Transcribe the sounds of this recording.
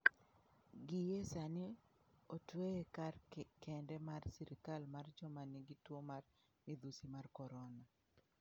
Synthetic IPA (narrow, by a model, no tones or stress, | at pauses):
ɡijesanɪ | otweekarkɛndɛmarsiɾɪkalmard͡ʒɔmaniɡitwomar | mid̪usimarkɔɾɔna